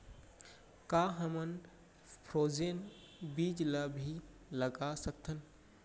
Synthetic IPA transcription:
kaɦəmən | pʰɾoːd͡ʒeːn | biːd͡ʒlabʱi | ləɡasək̚t̪ʰən

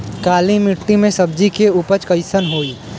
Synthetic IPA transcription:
kaːlimɪʈːimẽsɐbd͡ʒikeupət͡ʃkəɪsənɦoːi

